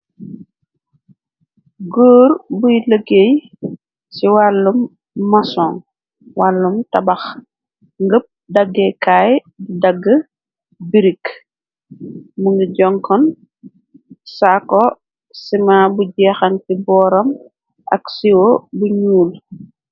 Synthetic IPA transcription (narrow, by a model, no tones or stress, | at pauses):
ɡoːɾbujləɡej | siwalːumː | ɐsɔŋ | walːumtɐbɐx | ŋɡəp̚dɐɡːɛkaːj | budɐɡːə | biɾik | muŋɡiɟɔŋkɔn | sakɔ | simaːbuɟɛːxɐnkibɔːɾɐm | ʔɐ̰ksiwɔbuɲuːl